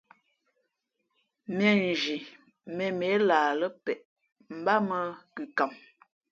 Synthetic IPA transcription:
mɛ˨n˨d͡ʒi˨ | mɛ˨me˨˦laː˨lə˦pɛ˨ʔ | m̩˨ba˦mə˦ki˨ka˨m

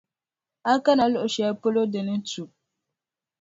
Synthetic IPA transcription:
a˦ka˦na˨lʊ˦ʔʊ˨ʃɛ˨po˦lo˦dɨ˨nɨ˦tu˨

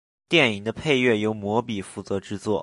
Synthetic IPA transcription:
t̪jɛ˥˩ni˨˩ŋd̪ə˦pʰe˥˧ɪɥɛ˥˩jo˧˥ʊmwɔ˧˥pi˨˩fu˥˩t͡sɤ˧˥ʈ͡ʂɻ̩˥t͡swɔ˥˩

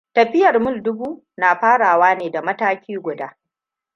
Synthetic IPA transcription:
tɐ˨ɸɪ˦jɐ˨rmʊ˦˨ldʊ˦buː˦ | naː˨ɸaː˦ɽaː˨waː˦neː˨da˨mɐ˦taː˦kʲiː˦ɡʷʊ˨daː˦

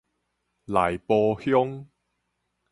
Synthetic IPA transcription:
la˨˩jpɔː˧hjʊ˥ŋ

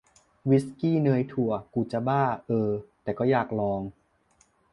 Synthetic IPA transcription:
wi˦˥skiː˥˩nɤː˧jt̪ʰu˨˩ɐkuː˨˩t͡ɕa˨˩baː˥˩ʔɤː˧t̪ɛː˨˩kɔː˥˩jaː˨˩k̚lɔː˧ŋ

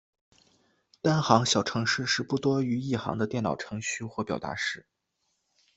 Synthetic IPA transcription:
t̪a˥nxɑ˧˥ŋɕjɑ˨˩ʊʈ͡ʂʰɤ˧˥ŋʂɻ̩˥˧ʂɻ̩˥˧pu˥˩t̪wɔ˥y˧˥i˥˩xɑ̰˧˥ŋd̪ə˧t̪jɛ˥˩nnɑ˨˩ʊʈ͡ʂʰɤ˧˥ŋɕy˥˧xwɔ˥˧pjɑ˨˩ʊt̪a̰˧˥ʂɻ̩˥˩

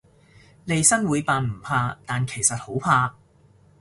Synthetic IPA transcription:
le˨˧jsɐ˥nwuː˨˧jpaː˨˧nm̩˨˩pʰaː˧t̪aː˨nkʰe˨˩jsɐ˨t̚ho˨˥wpʰaː˧

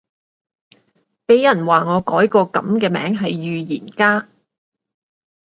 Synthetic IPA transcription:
pe˨˥jjɐ˨˩nwaː˨ŋɔː˨˧kɔː˨˥jkɔː˧kɐ˨˥mkɛː˧mɛ̰ː˨˥ŋɦɐ˨jːyː˨jiː˨˩nkaː˥

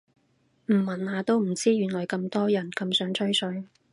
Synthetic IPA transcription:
m̩˨˩mːɐ˨˩nhaː˨˧t̪o˥wm̩˨˩t͡siː˥jyː˨nlɔː˨˩jkɐ˧mt̪ɔː˥jɐ˨˩nkɐ˧msœː˨˥ŋt͡ʃʰɵ˥ɥsɵ˨˧ɥ

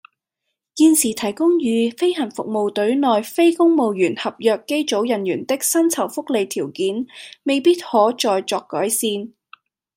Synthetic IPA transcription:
kiː˧nsiː˨˩t̪ʰɐ˨˩jkʊ˥ŋjyː˨˧fe˥jhɐ˨˩nfʊ˨k̚mo˨wt̪ɵ˨˥ɥnɔː˨jfe˥jkʊ˥ŋmo˨˧wjyː˨˩nhɐ˨p̚jœː˨˧kːe˥jt͡so˨˥wjɐ˨njyː˨˩nt̪ɪ˥k̚sɐ˥nt͡sʰɐ˨˩wfʊ˥k̚le˨jt̪ʰiː˨˩wkiː˨˥nme˨jpiː˥t̚hɔː˨˥t͡sɔː˧jt͡sɔː˧kːɔː˨˥jsiː˧n

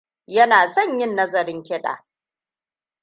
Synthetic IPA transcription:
jɐ˦naː˨sɐ˦˨ɲjɪ˦nːɐ˦zɐ˨ɾɪ˦ŋkʲɪ˦ɗa̰ː˨

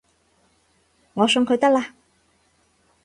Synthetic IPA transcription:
ŋɔː˨˧sɵ˧ŋkʰɵ˨˧ɥt̪ɐ˥k̚laː˧

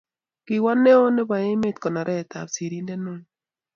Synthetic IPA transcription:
kɪ˨wa˦ne˦o˦ne˦ba˨e˦me˦t̪kɔ˨nɔ˨ɾɛ˦˨t̪a̰˨bsi˨ɾi˦nde˦no˦ɲ

